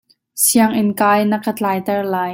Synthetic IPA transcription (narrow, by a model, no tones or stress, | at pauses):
siəŋʔɪnkaːjnəkət͡ɬaːjt̪ɛrlaːj